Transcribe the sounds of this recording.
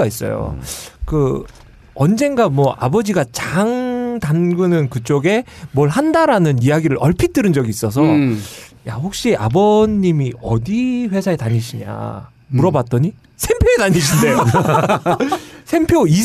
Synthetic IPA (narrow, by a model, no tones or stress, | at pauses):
ais͈ʌ̰jo̰kɯ | ʌnd͡ʑe̞nɡamwʌʔa̰bʌd͡ʑiɡat͡ɕaŋtanɡɯnɯnkɯt͡ɕ͈oɡe̞mwʌɭhandaɾanɯnijaɡiɾɯɾʔʌɭpʰit͈ɯɾɯnd͡ʑʌɡiːs͈ʌs̬ʰʌ | ja̰ɸok̚ɕ͈iabʌɲːimiʌdiɸwe̞sʰaetaɲiɕʰiɲa̰ | muɾʌbat͈̚ʌɲi | sʰe̞mpʰjoetaɲiɕʰindejo | sʰe̞mpʰjoi